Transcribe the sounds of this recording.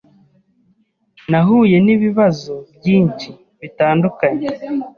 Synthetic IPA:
naɦuːje̞niβiβazobɟiːɲt͡ʃi | βitaːndukaɲe

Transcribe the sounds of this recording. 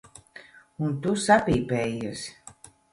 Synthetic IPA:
unt̪usapiːpɛjɛs

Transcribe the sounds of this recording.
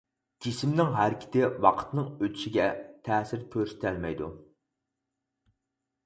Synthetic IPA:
d͡ʒisɪmnɪŋɦæɾkʲʰɪ̥t̪ʰɪwɑqʰə̥t̪nɨŋøt̪ʰy̥ʃɪɡʲɛt̪ʰɛsɪɾtʲʰøɾsɪ̥t̪ʰɛlmɛjd̪ṵ

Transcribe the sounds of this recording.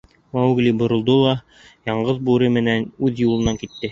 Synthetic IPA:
mæwɡlʲibŏɾŏlˠd̪olˠɑ | jɑɴɢɤðbuɾɘmɘ̆nænʉðjulˠɤ̆nɑŋkit̪ːɘ

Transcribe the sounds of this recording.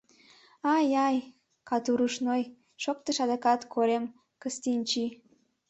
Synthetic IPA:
ɑjɑj | kɑt̪uɾuʃnoj | ʃok̚t̪əʃɑd̪ekɑt̪kʰoɾem | kəst̪inʲt͡ɕi

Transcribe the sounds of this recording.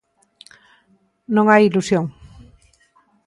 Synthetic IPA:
nõŋajilusjõŋ

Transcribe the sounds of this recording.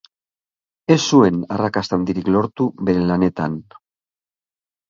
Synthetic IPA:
e̞sːue̞narakast̪and̪iɾiklo̞ɾt̪uβe̞ɾe̞lane̞t̪an

